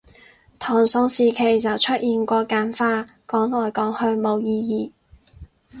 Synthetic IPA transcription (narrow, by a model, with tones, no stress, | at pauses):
t̪ʰɔː˨˩ŋsʊ˧ŋsiː˨kʰe˨˩jt͡sɐ˨wt͡ʃʰɵ˥t̚jiː˨nkʷɔː˧kaː˨˥nfaː˥kɔː˨˥ŋlɔː˨˩jkɔː˨˥ŋhɵ˧ɥmo˨˧wjiː˧jiː˨˧˩